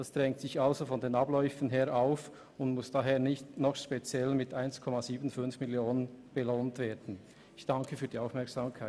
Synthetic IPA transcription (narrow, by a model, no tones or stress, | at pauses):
d̥asd̥ʁɛŋktsɪçalzofɔndeːnɑblɔʏfən̩ɦeːɾʔaʊf | ʊndmʊsd̥aɦeːnɪçtnɔχʃpet͡sjɛlmɪtaɪnskʰɔmaziːbən̩fʏnfmɪljoːnənb̥eloːntv̥eːdn̩ | ɪçd̥ɑŋkʰəfyːɐdiːaʊfmɛɐksaːmkʰaɪ